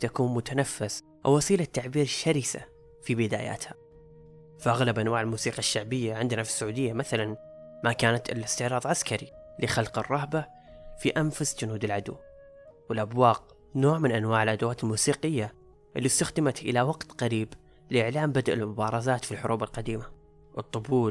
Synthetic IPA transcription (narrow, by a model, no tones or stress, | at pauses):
t̪akuːnmʊt̪anafːɪs | ʔawːɑsiːlat̪ːaʕbiːɾɪʃːaɾisa̰ | fibɪd̪a̰ːja̰ːt̪ha | faʔaɣlabʔanwaːʕɪlmuːsiːqɑʃːaʕbɪjːaʕɪnd̪nafi̥sːaʕuːd̪ɪjːamaθalan | makaːnat̪ɪ̰lɪst̪ɪʕɾˤɑːðˤʕaskaɾi | lɪxalqɨrˤːɑɦba | fiʔanfasd͡ʒʊnuːd̪ɪlʕad̪ṵː | wɪlʔabwɑːq̚ | noːʕmɪnʔanwaːʕɪlʔad̪awaːt̪ɪlmuːsiːqɪjːa | ʔɪlːist̪axd̪ɪmat̪ʔɪ̰lawɑɡt̪qɑɾiːb | lɪʔɪʕlaːmbad̪ʔɪ̰lmʊbɑːɾˤɑzaːt̪filħʊɾʔuːbalqɑd̪iːma | wɨt̪ˤːʊbuː